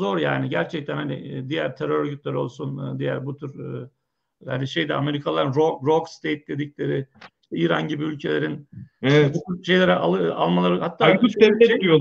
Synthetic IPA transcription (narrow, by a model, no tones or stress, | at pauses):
o̞ɾja̰ːnɪɟæɾt͡ʃʰɛc̚t̪ʰænhanɪ̰d̪ijæɾt̪ʰeɾøɾøɟyt̪̚ʲlʲɾo̞lˠsund̪ijæ̰ɾbut̪ʰyɾ | haniʃe̞jd̪ɛa̰me̞ɾikʰalˠaɾɯnɾok̚ɾokst̪ʰejt̪̚d̪ʲe̞d̪iclʲe̞ɾɪʃt̪iːɾa̰nɟibiylʲcʰe̞lʲe̞ɾint̪ɛbut̪yɾʃe̞jlʲeɾɛʔaɯa̰lˠmalˠaɾɯhat̪ːaːiɛt̪eijo